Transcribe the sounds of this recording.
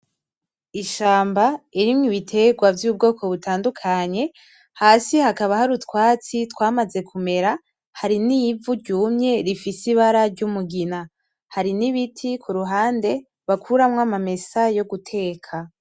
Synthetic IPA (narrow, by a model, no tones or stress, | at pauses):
iʃaːmbaiɾimŋiβitʰe̞ɡwavjuːb̚ɡo̞ːkʰo̞βutaːndukʰaɲe̞ | haːsihakaβahaɾutkwaːt͡sitwaːmaze̞kʰume̞ɾa | haɾinivuɾɟuːmɲe̞ɾifisiβaɾaɾɟumuɡina | haɾiniβitʰikʰuɾuɦaːnde̞ | βakʰuɾamŋamame̞sajo̞ɡutʰe̞ːkʰa